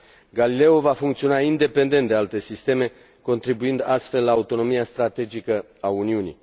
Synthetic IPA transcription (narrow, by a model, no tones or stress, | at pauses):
ɡalile̞uvafuŋkt̪sio̞naind̪e̞pe̞nd̪e̞nt̪d̪ealt̪e̞sist̪e̞me̞ | ko̞nt̪ɾibuind̪ast̪fe̞lːlaːut̪o̞no̞miast̪ɾat̪e̞d͡ʒikə | auniunḭ